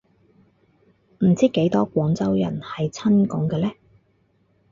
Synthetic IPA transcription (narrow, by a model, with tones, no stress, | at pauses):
m̩˨˩t͡siː˥ke˨˥jt̪ɔː˥kʷɔː˨˥ŋt͡sɐ˥wjɐ̰˨˩nhɐ˨jt͡sʰɐ˥nkɔː˨˥ŋkɛː˧lɛː˥